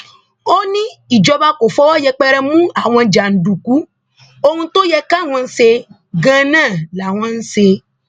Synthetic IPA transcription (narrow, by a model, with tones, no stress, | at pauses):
o˦nĩ˦i˨d͡ʒɔ˨va˦ko˨fɔ˦wɔ˦jɛ˨k͡pɛ˦ɾɛ˦mũ˦a˨w̃ɛ̃˨d͡ʒa˨n̩˨ɖu˨ku˦ | o˦ŋũ˦t̪o˦jɛ˦ka˦w̃ɔ̃˨n̩˦se˧ | ɡã˦nã˦˨la˨w̃ã˦ŋ̩˦se˧